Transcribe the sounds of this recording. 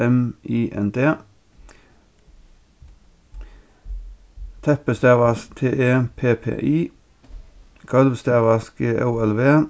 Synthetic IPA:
ɛmiːʔɛ̰nd̪ʰeː | t̪ʰɛpəst̪eːʋəsk̚t̪ʰeːʔeːpʰeːpʰḛːʔiː | kʰɑlʋst̪eːʋɑskəʔɑːɛlʋeː

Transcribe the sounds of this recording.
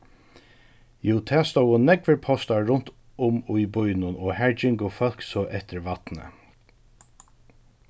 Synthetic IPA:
juːt̪ʰæːst̪owʊnɛɡʋəɹpʰɔst̪aɹʊnt̪ | ʊmʊjbʊjnʊnɔːhæɹd͡ʒɪŋɡʊfœlksɔːʔɛht̪ɪɹʋat̪nə̰

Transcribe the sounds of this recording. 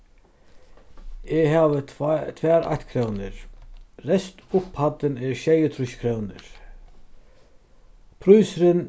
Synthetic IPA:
ɛɦaːʋət̪ʰvɛːɾa̰ht̪kʰɾœwnɪɾɾɛst̪ʊphat̪ːɪnɛɾɕɛjət̪ʰɾʊɕkʰɾœwnɪ̰ɾ | pʰɾujsɾɪn

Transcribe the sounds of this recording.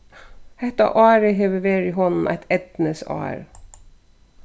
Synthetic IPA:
hɛt̪ɑ̰ʔɑːɾəɦeːʋəʋeːɾiːɦɔnn̩ʔæ̰ɪt̪ʰɛd̪nəsɑ̰ːɾ

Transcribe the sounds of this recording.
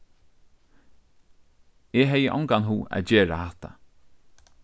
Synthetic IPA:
ɛɦɛjəʔɔŋkanɦuːæ̰ðd͡ʒeːɹa̰hat̪a

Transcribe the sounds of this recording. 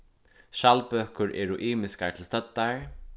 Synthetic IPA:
ʃalpøːkʏɹʔɛːɹʊʔiːmɪskaɹt̪ʰɪlst̪œt̪ːaɹ

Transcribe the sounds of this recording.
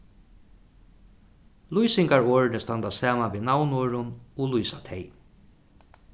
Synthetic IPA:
lujsɪŋkaɹoːɹnɪst̪ant̪asaːmanʋiːnawnoːɹʊnʊlujsat̪ʰɛɪ

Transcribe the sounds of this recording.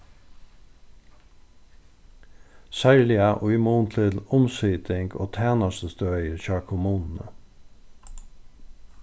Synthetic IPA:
sæɭɪɑʔʊʏmuːnt̪ʰɪlʊmsyːt̪ɪŋɡo̰ːt̪ʰæːnɑsəst̪øœʏəɾçɑːkʰʊmuːnn̩ə̰

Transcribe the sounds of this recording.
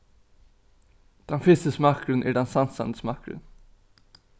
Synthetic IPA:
d̪̥ɛnfɪst̪əsmɑkɾənʔæ̰ːɖɛnsɑnsɑ̰nd̪əsmɑkɾə̰n

